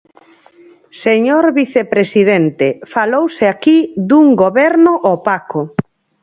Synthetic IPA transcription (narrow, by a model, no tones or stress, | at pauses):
seɲoɾβiθepɾesið̞ent̪efalowseakiðuŋɡoβɛɾnoʔɔpako